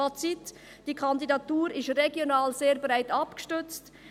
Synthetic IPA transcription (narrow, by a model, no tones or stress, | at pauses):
ɑt͡sit | d̥iːkʰɑndidɑtuːɾɪʃreɡjonaːlzeːɾbɾaɪtɑpɡ̥ə̥ʃtʏt͡st